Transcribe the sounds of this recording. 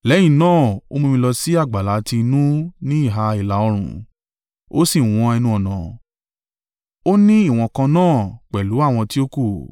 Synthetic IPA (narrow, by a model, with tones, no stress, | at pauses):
lɛ˨˦j̃ĩ˦˨nãː˦˨o̰˦mũ˧mĩ˧lɔ˧si˦a˦˨ɡ͡ba˨la˨˦ti˧nũ˦nĩ˦i˦˨ɦa˧i˨la˨˦ɔ˧ɾ̃ṵ̃˨ | o̰˦sĩ˦˨w̃ɔ̃˧ɛ˧nũ˧ɔ˨nã˨ | o˦nĩ˦i˦˨w̃ɔ̃˧kã˧nãː˦˨k͡pɛ˨lu˨˦a˦˨w̃ɔ̃˧ti˦o˦ko˦˨